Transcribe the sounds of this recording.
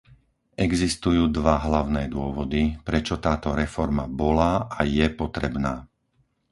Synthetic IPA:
ʔɛɡzist̪ujuːd̪ʋaɦlaʊnɛːd̪ʊɔʋɔd̪ipɾɛt͡ʃɔt̪aːt̪ɔɾɛfɔɾmabɔlaːʔajɛpɔt̪ɾɛbnaː

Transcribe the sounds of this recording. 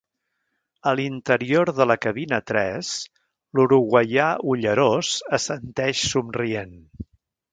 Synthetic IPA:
əlint̪əɾioɾðələkəβinət̪ɾɛs | luɾuɣwəjauʎəɾozəsənt̪ɛʃsumrien

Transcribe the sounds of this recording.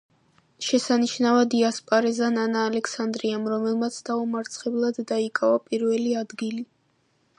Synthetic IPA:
ʃɛsaniʃnavad̪iaspʼaɾɛzananaːlɛkʰsand̪ɾiamɾɔmɛlˠmat̪sʰd̪̥aumaɾt̪sʰχɛblˠad̪ːaikʼavapʼiɾvɛliad̪ɡili

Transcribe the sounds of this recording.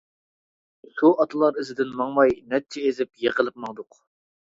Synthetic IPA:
suɑt̪ʰɨlˠɑɾɪzɪd̪ɪnmɑŋmɑjnɛt͡ʃʰɛezɪpjeqəlˠɨp̚mɑŋd̪ʊq

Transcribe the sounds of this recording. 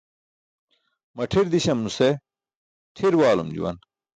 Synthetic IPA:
mɐʈʰiɾd̪iɕɐmnuse | ʈʰiɾwaːlṵmd͡ʑṵwɐ̰n

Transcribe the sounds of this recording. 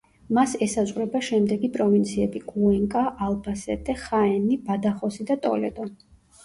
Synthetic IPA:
masɛsazʁɾɛbaʃɛmd̪ɛɡipʼɾɔvint̪sʰiɛbikʼuɛŋkʼaʔalˠbasɛt̪ʼɛχaɛnibad̪aχɔsid̪at̪ʼɔ̰lɛ̰d̪ɔ

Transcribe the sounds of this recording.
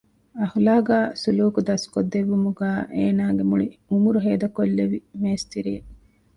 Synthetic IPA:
ɐhulaːɡæːsuluːkud̪ɐskod̪ːeʋːumuɡæːʔeːnaːɡemuɭiumuɾuɦeːd̪ɐkolːeʋimeːst̪iɾije

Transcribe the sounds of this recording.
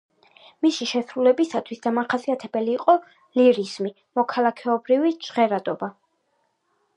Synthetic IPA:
misiʃɛsɾulɛbisat̪ʰwisd̪̥amaχasiat̪ʰɛbɛliːqʼɔ | liɾizmi | mɔkʰalˠakʰɛɔbɾivit͡ʃʁɛɾad̪ʼɔba

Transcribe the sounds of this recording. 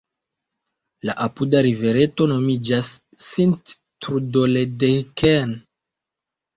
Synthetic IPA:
laʔapudaɾive̞ɾe̞to̞no̞mid͡ʒasː | int | tɾudoledekʰen

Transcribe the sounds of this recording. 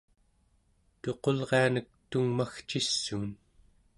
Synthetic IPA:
t̪o̞qo̞lʁeanək̚t̪uŋmaxt͡ʃisːuːn

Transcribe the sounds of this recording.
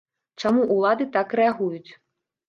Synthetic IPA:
t͡ʂamuʔulˠad̪ɨt̪akɾɛaɣujut͡sʲ

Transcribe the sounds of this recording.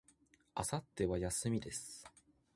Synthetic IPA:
asat̪ːe̞βajasɨmʲid̪e̞sɨ̥

